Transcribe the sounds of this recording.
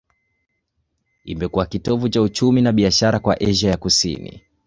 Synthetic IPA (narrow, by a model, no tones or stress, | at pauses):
ḭmɛkuwakitɔvut͡ʃaut͡ʃuminaɓiaʃaɾakwaʔɛʒajakusḭnḭ